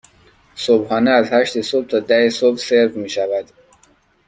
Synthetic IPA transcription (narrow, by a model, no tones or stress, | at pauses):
sobhɒːneæzhæʃt̪esob̚t̪ʰɒːd̪æhesobseɾfmiːʃævæd̪̥